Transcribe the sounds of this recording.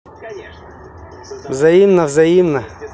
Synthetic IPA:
ʋzɐjimnɐʋzɐjimnɐ

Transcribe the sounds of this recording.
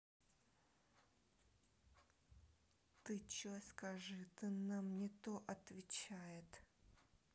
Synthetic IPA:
t̪ɨt͡ʃoskɐʐɨt̪ɨnamnʲɪt̪oʔɐt̪vʲɪt͡ɕajɪt̪

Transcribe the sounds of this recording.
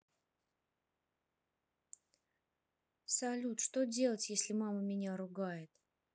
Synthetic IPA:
sɐlʲut̪ʂt̪odʲelˠətʲjesʲlʲɪmaməmʲɪnʲaɾʊɡajɪt̪

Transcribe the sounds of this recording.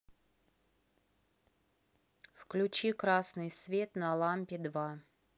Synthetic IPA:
fklʲʉt͡ɕikɾasnɨjsvʲe̞t̪nɐlˠampʲɪd̪va

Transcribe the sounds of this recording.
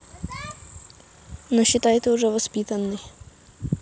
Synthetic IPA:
nɔɕɪt̪ajt̪ɛʊʐɛʋɔspʲit̪anːɨ

